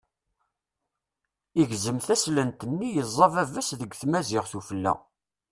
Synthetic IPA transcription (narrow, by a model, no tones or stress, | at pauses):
iʝzəmθæslənt̪ənːijəzˤːɑvævəsðəɡʷθmæzɪʁθufəlːæ̰